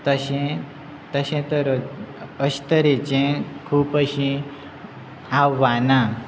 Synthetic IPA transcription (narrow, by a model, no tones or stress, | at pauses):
t̪əɕẽ | t̪əɕẽt̪əɾ | əɕt̪əɾet͡ɕẽkʰuːpəɕĩ | awːana